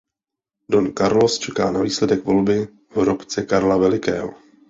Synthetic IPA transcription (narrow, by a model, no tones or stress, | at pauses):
donkaɾlo̞st͡ʃɛka̰ːnaviːslɛdɛkvo̞lbɪ | vɾopt͡sɛkaɾlavɛlɪkɛ̰ːɦo